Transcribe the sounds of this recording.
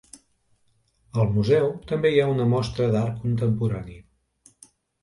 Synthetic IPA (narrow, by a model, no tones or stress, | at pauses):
əlˠmuzɛwt̪əmbeiaunəmɔst̪ɾəðaɾkunt̪əmpuɾani